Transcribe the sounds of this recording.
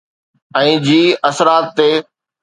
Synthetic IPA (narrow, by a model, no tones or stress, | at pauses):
ɛ̃ːd͡ʑiːəsɾaːt̪ːeː